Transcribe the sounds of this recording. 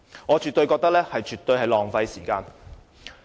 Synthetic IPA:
ŋɔː˨˧t͡ʃyː˨t̪ɵ˧ɥkɔː˧kt̪ɐ˥k̚lɛː˥hɐ˨jt͡ʃyː˨˩t̪ɵ˧ɥhɐ˨jlɔː˨ŋfɐ˧jsiː˨˩kaː˧n

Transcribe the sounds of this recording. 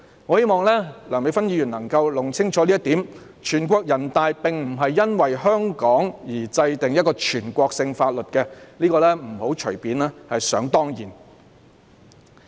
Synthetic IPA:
ŋɔː˨˧he˥jmɔː˨ŋlɛː˥lœː˨˩ŋme˨˧jfɐ˥njiː˨˧jyː˨˩nlɐ˨˩ŋkɐ˧wlʊ˨˩ŋt͡sʰɪ˥ŋt͡sɔː˨˥liː˥ɐ˥t̪iː˨˥m | t͡ʃʰyː˨˩nkʷɔː˧k̚jɐ˨˩nt̪aː˨˧jpɪ˨ŋm̩˨˩ɦɐ˨jːɐ˥nwɐ˨jɦœː˥ŋkɔː˨˥ŋjiː˨˩t͡sɐ˧jt̪ɪ˨ŋjɐ˥t̚kɔː˧t͡ʃʰyː˨˩nkʷɔː˧k̚sɪ˧ŋfaː˧t̚lɵ˨t̚kɛ˧liː˥kɔː˧lɛː˥m̩˨˩ho˨˥wt͡ʃʰɵ˨˩ɥpiː˨˧nɛː˥hɐ˨jsœ̰ː˨˥ŋt̪ɔː˥ŋjiː˨˩n

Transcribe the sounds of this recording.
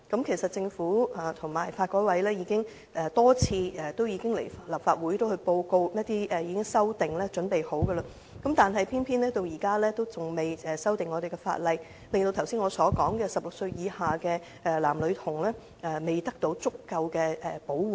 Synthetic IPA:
kɐ˨˥mkʰe˨˩jsɐ˨t̚t͡sɪ˧ŋfuː˨˥aː˨˩t̪ʰʊ˨˩ŋmaː˨˩jfaː˧t̚kɔː˨˥wɐ˨˥jlɛː˥ji˨˧˥kɪ˥ŋ | ɛ˨˧t̪ɔː˥t͡sʰiː˧ɛ˨˩t̪o˥wjiː˨˧kɪ˥ŋle˨˩jflɐ˨˩p̚faː˧t̚wuː˨˥jt̪o˥whɵ˧ɥpo˧wko˧wnɐ˥t̪iː˥ʔɛ˨˧jiː˨˧kɪ˥ŋsɐ˥wt̪ɪ˨˩ŋlɛː˥t͡sɵ˨˥npe˨jho˨˥wɡə˧la˧ | kɐ˨˥mt̪aː˨nɦɐ˨jpʰiː˥npʰiː˥nlɛː˥t̪o˧wjiː˨˩kaː˥lɛː˥t̪o˥wt͡sʊ˨ŋme˨˩jɛ˨sɐ˥wt̪ɪ˨ŋːɔː˨˧ɾe˨jkɛ˧fa̰ː˧t̚lɐ˨j | lɪ˨ŋt̪o˧wt̪ʰwsiː˥nŋɔː˨˧sɔː˨˥kɔː˨˥ŋkɛː˧sɐ˨p̚lʊ˨ksɵ˧ɥjiː˨˧haː˨kɛ˧ | ɛ˧laː˨˩mlɵ˨˧t̪ʰʊ˨˩ŋlɛː˥ | ʔɛ˨me˨˩jt̪ɐ˥k̚t̪o˨˥wt͡sʊ˥kːɐ˧wkɛː˧ɛ˨˩po˨˥wwuː˨

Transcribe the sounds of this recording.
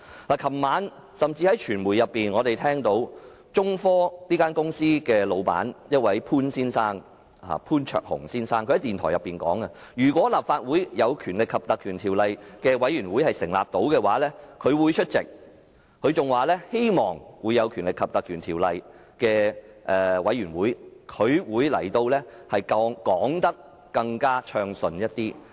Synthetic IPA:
laː˨˩kʰɐ˨˩mːaː˨˧˥n | sɐ˨mt͡siː˧hɐ˨˥jt͡ʃʰyː˨˩nmuː˨˩jɐ˨pːiː˨˩nŋɔː˨˧t̪e˨jt̪ʰɛː˥ŋt̪o˨˥w | t͡ʃʊ˥ŋfɔː˥liː˥kaː˥nkʊ˥ŋsiː˥kɛː˧lo˨˧wpa̰ː˨˥njɐ˥t̚wɐ˨˥jpʰuː˥nsiː˥nsaː˥ŋ | a̰˨˩pʰuː˥nt͡ʃʰœ̰ː˧k̚hʊ̰˨˩ŋsiː˥nsaː˥ŋʰɵ˧hɐ˨˦jt̪iː˨nt̪ʰɔː˨˩jɐ˨pːiː˨nkɔ̰ː˨˥ŋɐ˧jyː˨˩kwɔː˨˥laː˨p̚faː˧t̚wuː˨˥jjɐ˨˧wkʰyː˨˩nlɪ˨kʰːɐ˨p̚t̪ɐ˨kʰyː˨˩nt̪ʰiː˨˩wlɐ˨˧jkɛː˧wɐ˨˥jɥyː˨˩nwuː˨˥jhɐ˨jsɪ˨˩ŋla̰ː˨p̚t̪o˨˥wkɛː˧waː˨˥lɛː˥kʰɵ˨˧ɥwu˨˧jt͡ʃʰɵ˥t̚t͡sɪ˨k̚ | kʰɵ˨˧ɥt͡sʊ˨ŋwaː˨˩lɛː˥he˥jmɔː˨ŋwuː˨˧jːɐ˨˧wkʰy˨˩nlɪ˨kʰːɐ˨p̚t̪ɐ˨kʰyː˨˩nt̪ʰiː˨˩wlɐ˨j | kɛː˧ʔɛː˨wɐ˨˧˥jyː˨˩nwuː˨˥jkʰɵ˨˧ɥwuː˨˧jlɐ̰˨˩jt̪o˧wlɛː˥hɐ˨jkːkɔː˨˥ŋt̪ɐ˥k̚ | kɐ˧ŋkaː˥t͡ʃʰœː˧ŋsɵ˧njɐ˥t̚t̪iː˥

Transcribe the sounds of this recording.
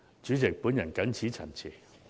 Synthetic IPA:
t͡ʃyː˨˥t͡sɪ˨k̚puː˨˥njɐ˨˩nkɐ˨˥nt͡sʰiː˨˥t͡sʰɐ˨˩nt͡sʰiː˨˩

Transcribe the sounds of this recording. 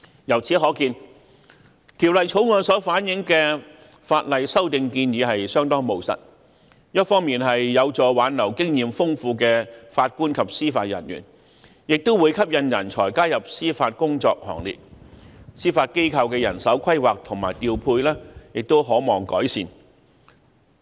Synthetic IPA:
jɐ˨˩wt͡sʰiː˨˥ɦɔː˨˥kiː˧n | t̪ʰiː˨˩wlɐ˨jt͡ʃʰo˨˥wŋɔː˨˧nsɔː˨˥faː˨˥njɪ˨˥ŋkɛː˧ | faː˧t̚lɐ˨jsɐ˥wt̪ɪ˨˧ŋkiː˧njiː˨˧hɐ˨jsœː˥ŋt̪ɔː˥ŋmo˨˩wsɐ̰˨t̚ | jɐ˥t̚fɔː˥ŋmiː˨nɦɐ˨jːɐ˨˧wt͡sɔː˨˩waː˨˥nlɐ˨˩wkɪ˥ŋjiː˨mfʊ˥ŋfuː˧kɛː˧faː˧t̚kuː˥nkʰɐ˨p̚siː˥faː˧t̚jɐ̰˨˩njy̰ː˨˩n | jɪ˨k̚t̪o˥wuː˨˧jkʰɐ˥p̚jɐ˧njɐ̰˨˩nt͡ʃʰɔː˨˩jkaː˥jɐ˨p̚siː˥faː˧t̚kʊ˥ŋt͡sɔː˧k̚hɔ̰ː˨˩ŋlḭː˨t̚ | siː˥faː˧t̚ke˥jkʰɐ˧wkɛː˧jɐ̰˨˩nsɐ˨˥wkʰɐ˥jwaː˨k̚t̪ʰʊ˨˩ŋma̰ː˨˩jt̪iː˨˧wpʰuː˧jlɛː˥jɪ˨k̚t̪o˥wɦɔː˨˥mɔː˨˩ŋkɔː˨˥jsiː˨n

